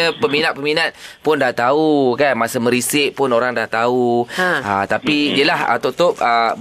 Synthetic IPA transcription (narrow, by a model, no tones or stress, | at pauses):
əpəminaʔ̪̚pəminãt̪̚pʊndaht̪aukanmasəmə̃ɾisɪʔ̚pʊnoɾaŋdaht̪auət̪apiiəlahə̰t̪ut̪ʊp̚ə